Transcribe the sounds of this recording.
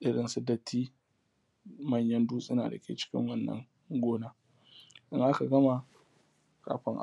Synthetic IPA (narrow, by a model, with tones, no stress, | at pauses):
ʔɪ˦ɽɪ˨nsʊ˦dɐ˦tʰːiː˦ | mɐ˦˨ɲjɐ˦nduː˦sʼɪ˦na̰ː˨dɐ˨kʲḛ˦t͡ʃɪ̥˦kʲɪ̰˦ŋwɐ˦nːɐ̰˨˦ŋ | ɡʷoː˦naː˦ | ʔɪ˦ŋʔa˦ka˨ɡɐ˦ma˨ | ka̰ː˨ɸɪ˦ŋʔa̰˨